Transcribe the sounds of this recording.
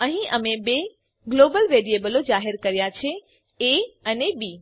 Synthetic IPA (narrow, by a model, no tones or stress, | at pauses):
əɦĩʔəmebe | ɡlobəlʋeɾijebəlod͡ʒaɦeɾkəɾjat͡ʃʰe | eənebi